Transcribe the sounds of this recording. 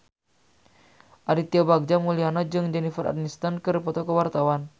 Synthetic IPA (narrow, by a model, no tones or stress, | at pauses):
ʔaɾit̪iabaɡ̚d͡ʒamulianad͡ʒɨŋd͡ʒɛnifɛɾa̰dmist̪ankɨrpɔt̪ɔkəwart̪awan